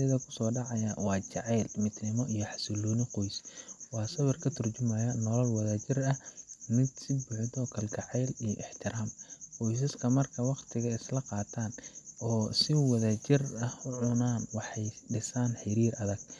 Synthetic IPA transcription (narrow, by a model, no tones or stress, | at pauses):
ɐðɐkʰʊ̥sɔːɖɑʕɑjɐwɑːt͡ʃɑʕɛjlmɪd̪nɪmɔijɔħɑ̥sɪluːnɪqɔjswɑːsɐβɐrkʰɐt̪ʰʊrt͡ʃʊmɐjɐnɔlɔlwɑðaːt͡ʃɪrɐhmɪd̪sɪbʊʕɪd̪ɔːkʰɐlɡɑʕɛːlijʔɪħt̪ʰɪɾaːmqɔjs̬ɐskʰɐmɐrkʰɐwɑqt̪ʰɪɣɐɪslɐqɑːt̪ʰaːnɔːsɪwɐðaːt͡ʃɪrɐhʊʕʊnaːnwɑħɑjɖɪsaːnħɪɾiːrʔɐðɐɡ̥